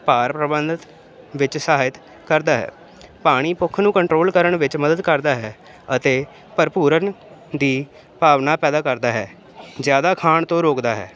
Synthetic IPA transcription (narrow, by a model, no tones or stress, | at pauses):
paːɾpɾəbənd̪ət̪ | ʋɪt͡ʃsəɦaːɪt̪ | kəɾd̪aːɦɛ̰ː | paːɽ̃iːpʊkʰːnũːkəɳʈɾoːlkəɾəɳʋɪt͡ʃməd̪əd̪kəɾd̪aːɦɛː | ət̪eː | pəɾɪpuːɾən | d̪iː | paːʋnaːpɛːd̪aːkəɾd̪aːɦɛː | zjaːd̪aːkʰaːɳt̪õːɾoːkd̪aːɦɛ̰ː